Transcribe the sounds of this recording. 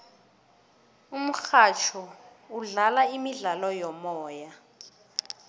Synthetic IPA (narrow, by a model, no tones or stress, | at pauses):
um̩xat͡ʃʰɔ | uɮalaimiɮalɔjɔmɔːja